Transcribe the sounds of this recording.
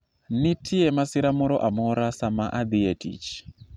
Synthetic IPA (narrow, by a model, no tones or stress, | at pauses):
nitʰiemasiɾamuɾɔʔamoɾasamaʔad̪ietḭt͡ʃ